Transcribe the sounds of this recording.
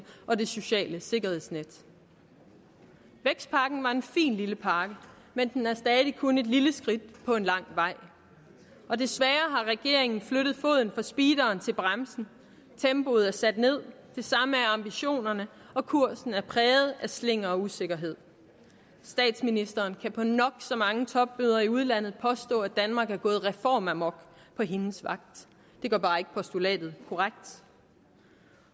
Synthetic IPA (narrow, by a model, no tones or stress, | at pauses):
ʔɒ̽de̝so̝ɕɛ̰ːləse̝ɡ̥ɐhe̝ð̰ˠsned̥ | ʋeɡ̥sd̥̚pʰɑ̈ːɡ̥n̩ʋɑ̈e̝nfḭːnliləpʰɑ̈ːɡ̥ə | mend̥enhɑsd̥ɛːð̩ˠikʰone̝d̥liləsɡ̥ʁid̥̚pʰɒ̽e̝nlɑ̈ŋ̰ʋɑ̈ɪ̰ | ɒ̽d̥e̝sʋæːɐɦɑ̈ʁɛɡ̥e̝ɐ̰e̝ŋn̩fløɾ̥ð̞̩ˠfo̝̰ðˠn̩fɑ̈sb̥iːd̥ɐːnt͡sʰe̝lb̥ʁamsn̩ | t͡sʰemb̥o̝ð̩ˠæɐsæd̥ne̝ð̞̰ˠ | d̥e̝sɑ̈məæɐɑ̈mb̥iɕo̝̰ːnɐnə | ɒ̽kʰuɐ̰sn̩æɐpʰʁɛːð̩ˠæsle̝ŋ̰ɐɒ̽use̝ɡ̥ɐɦe̝ð̰ˠ | sd̥ɛ̰ːd̥sminisd̥ɐːnkʰæpʰɒ̽nɒ̽ɡ̥sɒ̽mɑ̈ŋət͡sʰɒ̽b̥ːyðˠɐiuð̞ˠlæn̰ð̞̩ˠpʰɒ̽sd̥ɔ̰̽ːæd̥ænmɑ̈ːɡ̥æɐɡ̥ɔ̽ːð̩ˠʁɛfɒ̰ːmæmɒ̽ɡ̥pʰɒ̽ɦe̝nəsʋɑ̈ɡ̥̚d̥ | d̥e̝ɡ̥ɶ̰ːbɑ̈ːe̝ɡ̥əpʰɒ̽sd̥ulɛ̰ːd̥ð̞̩ˠkʰɒʁaɡ̥̚d̥